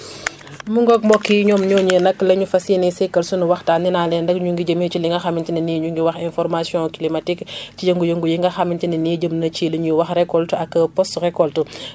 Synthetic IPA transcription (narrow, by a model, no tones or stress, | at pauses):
muŋɡɔk̚mbɔkːiɲɔːmɲɔːɲənɐkːlɐɲufɐsinɛsɛkːɐlsunuwɐxtaːninaːlɛndɐkɲuŋɡiɟəmit͡ʃiliŋɡɐxɐmintinɐniɲuŋɡiwɐxɛnfɔɾmasjɔ̃kilimɐtikcijəŋɡujəŋɡujiŋɡɐxɐmintinɐniːɟəmnɐt͡ʃiliɲuwɐxrɛkːɔltuɐkːəpɔsɾɛkɔltu